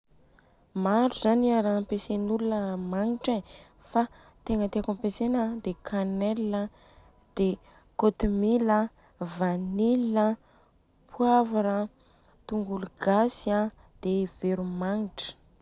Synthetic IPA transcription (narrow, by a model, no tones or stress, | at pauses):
maɾuzaniaɾampesenulunəmaŋiʈ͡ʂe | fa | t̪eŋət̪eakampesenəd̪ekʰanɛlə | d̪̥e | kot̪umilə | vanilə | pʰwavaɾa | t̪uŋɡuluɡasia | d̪̥ev̥eɾumaŋiʈ͡ʂə̥